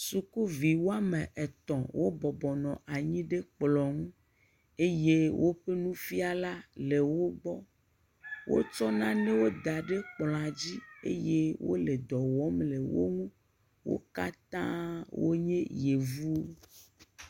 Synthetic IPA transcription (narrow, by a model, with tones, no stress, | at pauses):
su˨ku˦vi˨wo˦a˦mẽ˨ʔe˨t̪ɔ̃˨wʔo˦bɔ˨bɔ˨nɔ̃˨ʔa˨ɲĩ˦ɖe˦k͡plɔ˨ŋũ˦ | e˦je˦wʔo˦ɸe˦nũ˦fi˦a˨la˦le˨wo˦ɡ͡bɔ˦ | wo̰˦t͡ʃɔ˦nã˦nẽ˦wo˦d̪a˨ɖe˦k͡plɔ̃˨a˨d͡ʑi˦ḛ˦je˦wo̰˦le˨d̪ɔ˨wɔ˦mle˨wo̰˦ŋũ˦ | wo̰˦ka˦t̪ã˦wo̰˦ɲẽ˦je˨vu˦